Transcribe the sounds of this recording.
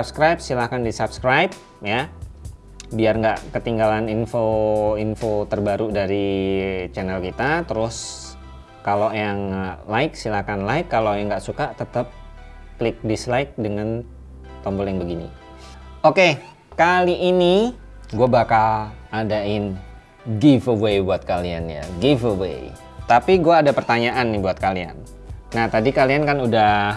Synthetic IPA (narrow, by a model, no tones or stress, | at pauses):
sapskɾajp̚silahkandisapskɾajp̚ | ja | biarŋɡaʔkət̪iŋɡalaninfoinfot̪ərbaɾudaɾit͡ʃɛnɛlkit̪at̪əɾʊs | kalojaŋlaɪk̚silakanlaɪkːalojaŋɡaʔsukat̪ət̪əp̚ | klɪk̚dislaɪk̚dəŋan | t̪ɔmbɔljaŋbəɡinḭ | oke | kaliʔːni | ɡuabakaladaɪn | ɡifəwejbuat̪̚kalianja̰ɡifəwḛj | t̪apiɡuaːdapərt̪aɲaʔanːɪbuat̪̚kalia̰nː | aht̪adikaliankanuda